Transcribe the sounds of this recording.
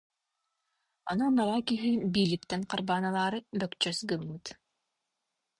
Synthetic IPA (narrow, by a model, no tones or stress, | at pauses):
anumalˠaːkiɦibiːlip̚t̪ɛnqaɾbaːnalˠaːɾɯbœkt͡ʃœsɡɯmːɯt̪